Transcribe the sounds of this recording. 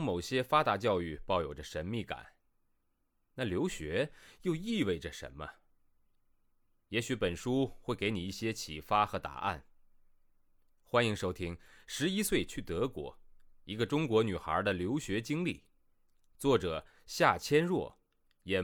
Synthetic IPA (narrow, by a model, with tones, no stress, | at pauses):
ŋmo˨˩ʊɕjɛ˥fa˥t̪a˧˥t͡ɕjɑ˥˧ʊy˥˧pɑ˥˩ʊjo˨˩ʊʈ͡ʂə˦ʂə˧˥nmi˥˩ka̰˨˩˦n | na˥˩ljo˧˥ʊɕɥɛ˧˥jo˥˧ʊi˥˧we˥˩ɪʈ͡ʂə˩ʂə̰˧˥nmə̰˧ | jɛ˧˥ɕy˧˥pə˨˩nʂu˥xwe˥˩ɪke˧˥ɪni˨˩i˥˩ɕjɛ˥t͡ɕʰḭ˨˩fa˥xɤ˧˥t̪a̰˨˩ʔa̰˥˩n | xwa˥ni˧˥ŋʂo˥ʊt̪ʰi˥ŋʂɻ̩˧˥i˥swe˥˩ɪt͡ɕʰy˥˩t̪ɤ˧˥kwɔ̰˧˥i˧˥ɡə˧ʈ͡ʂʊ˥ŋkwɔ˧˥ny˨˩xə̰˞˧˥d̪ə˨ljo˧˥ʊɕɥɛ˧˥t͡ɕi˥ŋli˥˩ | t͡swɔ˥˩ʈ͡ʂɤ˨˩ | ɕja˥˩t͡ɕʰjɛ˥nɻwɔ˥˩ | jɛ˨˩